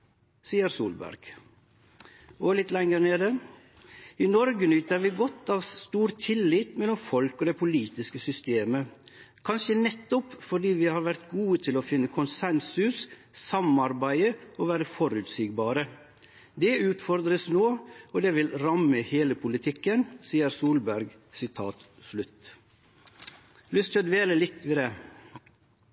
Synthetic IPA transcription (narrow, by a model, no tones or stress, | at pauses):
siːəɾsṵːlbæ̰ɾɡ̥ | olɪt̪lɛŋːəɾneːd̪ə | ɪnɔɾɡənʏt̪əɾʋiːɡɔt̪ːɑːʋst̪uːɾt̪ʰɪlːiːt̪mɛlːɔmfɔlkoːd̪ɛpʰʊliːt̪ɪskəsʏst̪eːmə | kʰɑnʃənɛt̪ːɔpfɔɖiːʋɪhɑːɾʋæɾt̪ɡuːət̪ʰɪlɔfɪnːəkʰʊnsɛnsʉssɑmɑɾbæɪəɔʋæːɾəfɔɾʉːt̪siːɡbɑːɾə | d̪ɛʉːt̪fɔɾd̪ɾəsnoːɔd̪ɛʋɪlɾɑmːəheːləpʰʊlɪt̪ʰɪkːənsiːəɾsuːlbæɾɡ | sɪt̪ʰɑːt̪ | slʉt̪ː | lʏst̪ʰɪɔd̪ʋeːləlɪt̪ːʋiːd̪ɛː